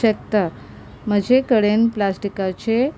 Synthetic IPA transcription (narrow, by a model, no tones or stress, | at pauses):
ək̚t̪a | m̤əd͡ʑekəɽenplasʈikat͡ɕe